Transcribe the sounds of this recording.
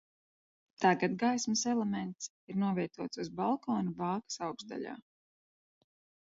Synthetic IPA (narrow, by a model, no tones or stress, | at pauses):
t̪aɡad̪ɡajsmɐsɛlˠɛmɛnt̪s | iɾnuɔvʲɛjt̪uɔt̪suzbalˠkɔːnubaːkḁsawɡsd̪a̰ʎa̰ː